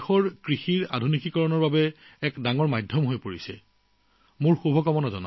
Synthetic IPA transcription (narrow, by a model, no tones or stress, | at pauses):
xɔɹkɹixiɹa̰dʱunikikɔɹɔnɔɹbabɛɛkdaŋɔɹmajdʱɔmɦojpoɹisɛ̰ | mʊɹxubʱɔkɔmɔnazɔ̰na̰